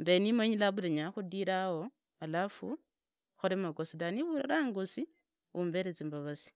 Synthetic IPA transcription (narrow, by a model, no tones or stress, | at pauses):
mbenimaɲilaβulaɲaxudiɾao | alafṵ | xoɾemaɡosidaniβulalaːŋɡosi | umbeɾet͡sembaβasi̥